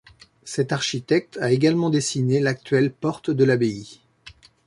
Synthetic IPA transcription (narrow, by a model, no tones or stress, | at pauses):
sɛt̪aʁʃit̪ɛk̚t̪ʰaeɡalmɑ̃d̪esinelak̚t̪ɥɛlpɔʁt̪d̪əlabei